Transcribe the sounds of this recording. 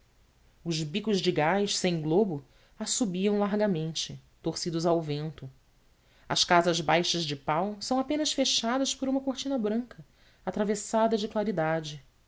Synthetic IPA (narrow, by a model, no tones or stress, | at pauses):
ʊʒbikʊzd͡ʒɪɡajʃsẽj̃ɡlobʊ | asubiɐ̃w̃laɾɡɐmẽnt͡ʃɪt̪oχsid̪ʊzawvẽnt̪ʊ | ɐ̰ʃkazɐzbajʃɐzd͡ʒɪpawsɐ̃w̃apẽnɐsfeʃad̪ɐspoɾũmɐkoχt͡ʃinɐbɾɐ̃ŋkʰɐ | at̪ɾavesad̪ɐd͡ʒɪklaɾid̪ad͡ʒɪ